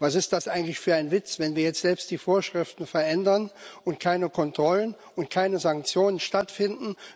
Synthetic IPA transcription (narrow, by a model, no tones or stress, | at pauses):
vasɪst̚d̥asʔaɪɡŋ̩tlɪçfyːɐaɪnvɪt͡sv̥ɛnviːɐjɛt͡stz̥ɛlpstd̥iːfoːɐʃʁ̥ɪftn̩fɛɐʔɛndɐnʔʊntkʰaɪnəkʰɔntʁ̥ɔlən | ʊntkʰaɪnəzaŋk̚t͡sjoːnənʃtatfɪndn̩